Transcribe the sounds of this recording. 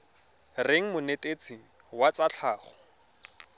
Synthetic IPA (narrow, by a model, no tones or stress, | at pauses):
reŋ̩mʊnetʼet͡sɪ | wat͡sat͡ɬʰaːχɔ̥